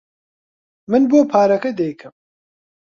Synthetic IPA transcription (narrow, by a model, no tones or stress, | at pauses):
mɨnboːpʰaːɾɐkɐd̪ejkʰɨm